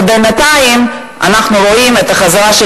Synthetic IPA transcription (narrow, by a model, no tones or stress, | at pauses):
benat̪ajim | a̰naχnuɾoimɛt̪aχazaʁaʃ